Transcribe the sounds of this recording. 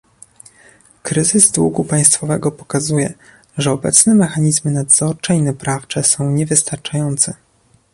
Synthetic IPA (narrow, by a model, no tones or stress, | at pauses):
kɾɘzɘzd̪wṵɡupaj̃st̪fɔvɛɡɔpɔ̥kazujɛ | ʐɛɔbɛ̰t̪snɛmɛxaɲizmɘnad̪z̥ɔɾt͡ʂɛinapɾaft͡ʂɛsɔ̃w̃ɲɛvɘst̪aɾt͡ʂajɔnt̪sɛ